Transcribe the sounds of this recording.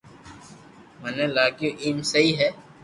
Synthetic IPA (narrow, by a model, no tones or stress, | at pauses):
məneːlaːkjuːʔiːmsəiːɦɛː